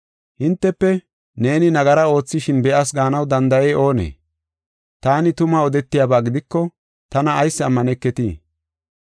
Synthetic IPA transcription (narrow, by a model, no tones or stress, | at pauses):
hɪnt̪ːɛpːɛ | ne̞ːnɪnɐɡɐɾɐo̞ːt͡sːɪʃɪnbɛʔɐs̬ɡaːnɐwd̪ɐnd̪ɐjɛːʔo̞ːnḛː | t̪aːnɪt̪ʊmaɔd̪ɛt̪ːɪjaːbaːɡɪd̪ɪkːɔ | t̪ɐnɐːjsːɪɐmːɐnɛkːɛt̪ḭː